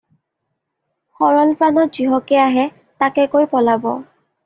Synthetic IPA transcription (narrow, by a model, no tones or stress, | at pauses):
xɔɹɔlpɹanɔt̚z̥iɦɔkɛaɦɛ | takɛkojpɔlabɔ̰